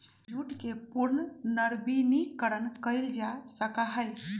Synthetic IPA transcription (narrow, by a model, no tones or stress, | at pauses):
juʈkepuɾnənəɾbinikəɾənkəɪld͡ʒasəkaɦəj